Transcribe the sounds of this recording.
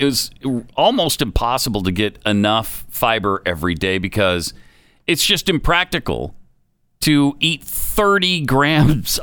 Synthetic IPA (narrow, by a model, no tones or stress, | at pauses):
ɨt̚wʌzɔlˠmoʊstɨ̃m̩pʰɑsəbl̩ˠtɨɡɛɾɨnʌfːaɪbə˞ʔɛvɹideɪbɨkʰʌz | ɨtsd̥ʒ̥ʌstɨ̃mpʰɹ̥æk̚tɨkl̩ˠ | tʰɨit̪̚θɜ˞ɾiɡɹæ̃mz̥